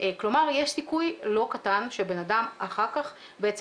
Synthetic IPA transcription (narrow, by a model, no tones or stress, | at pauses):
klo̞maʁjeʃsikujlo̞katanʃebe̞nadamaχaʁkaχ | beet͡s